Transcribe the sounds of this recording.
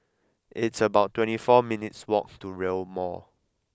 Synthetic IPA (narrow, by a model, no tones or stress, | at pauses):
ʔɪtsəbaʊtːwɛ̃ntifɔminitswɔk̚tuɹelmɔ̰